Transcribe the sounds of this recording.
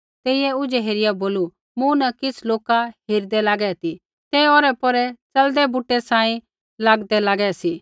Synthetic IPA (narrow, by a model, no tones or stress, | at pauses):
t̪eːɪjɛʊd͡ʒɛɦeːɾɪjaboːlu | mũnɐkɪsloːkaɦiːɾd̪ɛlaːɡɛt̪i | t̪ɛːoːɾɛpɔɾɛt͡sɐld̪ɛbʊʈːɛsãːĩ | laːɡd̪ɛlaːɡɛsi